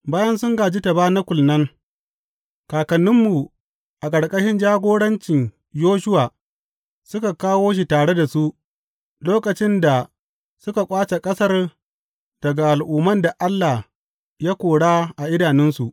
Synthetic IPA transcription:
baː˦jɐ˦nsʊ˦ŋɡaː˨d͡ʒi˦ta˨baː˦na˦kʷʊ˨lnɐ˦ŋ | kaː˨kɐ˨nːɪ˦mːu˨ | ʔa˨kʼɐ˨ɽkʼɐ˦ʃɪ˦nd͡ʒaː˦ɡʷoː˦ɽɐ˦nt͡ʃɪ˨ɲ | joː˦ʃʊ˦waː˨ | sʊ˦ka˨kaː˦woː˦ʃ̬i˨taː˨ɽe˦da˨su˦ʔ | loː˦kɐ˨t͡ʃɪ˦nda˨ | sʊ˦ka˨kʷʼaː˦t͡ʃe˨kʼɐ˦sɐ˦r | d̥ɐ˨ɡa˨ʔa˨lʔuː˨mɐ˦nda˨ʔa˦lːa˨h | ja˦kʷoː˨ɽaː˦ʔa˨ʔɪ˦daː˨nɪ˦nsu˨ʔ

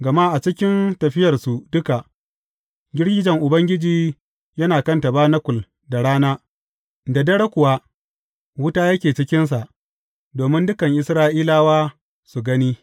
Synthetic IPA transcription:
ɡɐ˨ma˦ʔa˨t͡ʃɪ˦kʲɪ˦ntɐ˨ɸɪ˦jɐ˨rsu˨dʊ˦ka˨ʔ | ɡʲɪ˦ɽɡʲɪ˦d͡ʒɐ˨ŋʔʊ˨bɐ˦ŋɡʲɪ˦d͡ʒiː˨ | jɐ˦naː˨kɐ˦ntɐ˨baː˦nɐ˦kʷʊ˨l | da˨ɽaː˦naː˦ | da˨dɐ˦ɽɐ˦kʷʊ˨wa˦ | wʊ˦taː˦jɐ˦kʲeː˨t͡ʃɪ˦kʲɪ˦ns̬a˨ʔ | doː˨mɪ˦ndʊ˦kɐ˨ŋʔɪ˨sɾaː˦ʔiː˦laː˦waː˦ | su˨ɡɐ˦niː˦

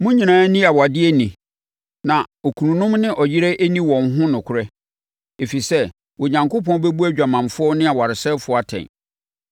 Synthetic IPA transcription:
mʊ̃˦ɲĩ˨nãː˨˦nĩ˦a˨wa˨dɪ˦e˦nĩ˨ | nã˨o˨kʰu˨nũ˨nʊ̃˦mnɪ̃˦ʔɔ˨jɪ˦ɾɛ˦ʔe˦nĩ˦wɔ̃˨nɦʊ̃˦nʊ̃˨kʰʊ˦ɾɛ˦ | e˨fi˨sɛ˦ | wɔ˨ɲã˨ŋko˦pɔ̃˦n˦be˦bu˦æ˦d͡ʑᶣa˨mã˨mfʊ˦ɔ˦nɪ̃˦a˨wa˨ɾɪ˨sɛ˦fʊ˨˦a˨tʰɛ̰̃˨n

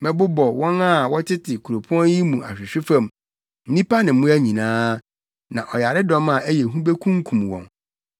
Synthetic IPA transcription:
mɛ̃˨bʊ˦bɔ˨wɔ̃˦na˦˨wɔ˦tʰɪ˦tʰɪ˨kʰu˨o˨pʰʊ˦ɔ̃˦nji˦mũ˨ʔa̰˨ɕᶣɪ˨ɕᶣɪ˦fã˦˨m | n̩˦nĩ˦pʰa˦nɪ̃˨m̩˦mʊ̃˦æ˦ɲĩ˨nãː˦ | nã˨ʔɔ˨ja˨ɾɪ˦dɔ̃˦ma˨ʔæ˦jɛ˨ɦũ˦be˦kʰũ˦ŋ˦kʰũ˨mwɔ̰̃˨n

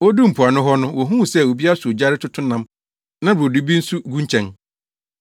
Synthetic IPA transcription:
wɔ˦du˦m̩˨pʰʊ˨a˨nʊ̃˦ɦɔ˦nʊ̃˦wɔ˨ɦũ˦˨sɛ˦˨wo˨bi˦a˦su˨o˨d͡ʑa˦ɾɪ˦tʰʊ˦tʰʊ̃˦nã˨˦m | nã˦bo˨du˨bi˦n̩˦su˦ɡũ˦ɲ˦t͡ɕʰɛ̃˨n

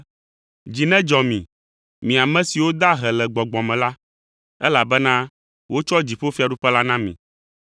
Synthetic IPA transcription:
d͡ʑi˨nɛ̃˦d͡ʒɔ˨mĩ˨ | mĩ˨a˨mɛ̃˦si˨wo˦d̪a˦ɦɛ˨lɛ˨ɡ͡bɔ˨ɡ͡bɔ˨mɛ̃˨la˦ | ɛ˦la˨bɛ˦nã˦ | wo˦t͡ʃɔ˦d͡ʑi˨ɸo˦fi˦a˨ɖu˦ɸɛ˦la˦nã˦mḭ̃˨

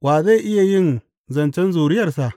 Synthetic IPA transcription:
waː˨za˦˨ʔɪ˦ja˨jɪ˦n | zɐ˨nt͡ʃɛ˦nzuː˨ɾɪ˦jɐ˨rsa˨ʔ

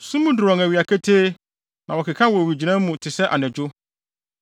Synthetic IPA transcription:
sũ˦mũ˦dʊ˨ɾɔ̃˨ŋæ˨ɥa˨kʰæ˦tʰeː˦ | nã˨wɔ˨kʰɪ˨kʰã˦wɔ˨wi˨d͡ʑi˨nã˦mũ˨tʰɪ˨sɛ˦ʔa̰˨nɛ̃˨d͡ʑʊ˦

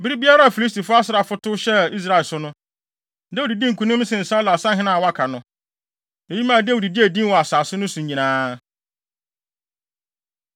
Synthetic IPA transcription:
bi˦ɾi˦bi˦a˦ɾa˦a˨fi˨li˦s̬ti˨fʊ˦a˦sɪ˨ɾa˨fʊ˦tʊ˦ɕɛ˦i˦s̬ɾa˨lsʊ˦nʊ̃˦ | da˦wu˨di˨dĩ˦ŋ̩˨kʰũ˨nʊ̃˦m˦sɪ̃˨n̩˨sã˦la˨sã˦ɦɪ̃˦nã˨wa˦kʰa˨nʊ̃˦ | e˨ji˦mã˦˨de˦wu˨di˨di˦æ˨dĩ˦wɔ˨a˨saː˨sʊ˦nʊ̃˦sʊ̃˨ɲɲĩ˨nãː˦

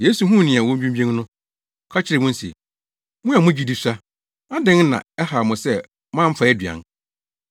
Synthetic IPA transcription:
je˦su˨ɦũ˦˨nĩ˨a˨wɔ̃˦m̩˦bĩ˦m˦bi˦ẽ˦ŋ˦nʊ̃˦ | kʰa˦t͡ɕʰɪ˦ɾɛ˨mʊ̃˦n̩˦sḭ˨ | mʊ̃˦a˨mʊ̃˦d͡ʑi˦di˦sa˦ | a˦dɪ̃˦ŋ˦nã̰˨ɛ˦ha˨mʊ̃˨sɛ˦ | mã˦m̩˦fa˨ɛ˦dɥã̰˨n

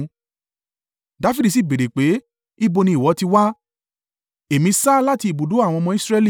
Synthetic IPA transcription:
da˨˦˨fi˦di˨s̬i˦˨be˨ɾe˨k͡pe˨˦ | i˦bo˧nĩ˧i˨wɔ˨˦ti˧wa˦ | e˨mĩ˧saː˦la˦ti˧i˨bo˨do˨˦a˦˨w̃ɔ̃˧mɔ̃˧i˦sɾɛ˧li˦˨

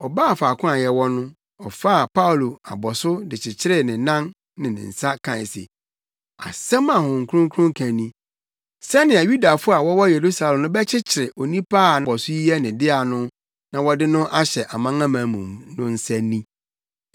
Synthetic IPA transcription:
ɔ˨ba˦˨faː˨kʰʊ̃˦a˨jɛ˦wɔ˦nʊ̃˦ | ɔ˨fa˦˨pʰa˦u˨lo˨a˨bɔ˨sʊ˦dɪ˨t͡ɕʰɪ˨t͡ɕʰɪ˦ɾɪ˦nɪ̃˨nã˦n | nɪ̃˨nɪ̰̃˨n̩˨sa˦kʰã˨ɪ˨sḛ˨ | a̰˨sɛ̃˦mã˨hʊ̃˨ŋ̩˨kʰʊ˦ɾʊ̃˦ŋkʰʊ̃˦ŋkʰã˨nĩ˦ | sɛ˦nɪ̃˨a˨ju˦da˨fʊ˦a˨wɔ˦wɔ˦je˨ɾu˦sa˨lɛ̃˨mnʊ̃˦bɛ˦t͡ɕʰɪ˦t͡ɕʰɪ˨ɾɪ˨ʔo˨nĩ˦pʰaː˦˨nã˨ɔ˨sʊ˦ji˦jɛ˦nɪ̃˨dɪ˦a˨nʊ̃˦ | nã˨wɔ˦dɪ˦nʊ̃˦ʔa˦ɕɛ˨ʔa˨mã˦ŋã˦mã˨˦mũ˨mnʊ̃˦n̩˦sɛ˦nĩ˦

